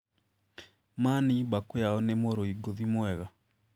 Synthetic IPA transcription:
manibakojaɔnemoɾoiɡoðimwɛɣa

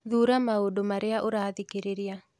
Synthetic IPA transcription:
ðuɾamaodomaɾɪaʔoɾaðikeɾeɾja

